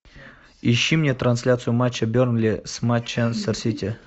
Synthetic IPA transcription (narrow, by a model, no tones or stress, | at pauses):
iɕːimnʲet̪ɾansʲlʲat̪sɨjʊmat͡ɕːɐbʲornlʲismat͡ɕːansərsʲit̪ʲe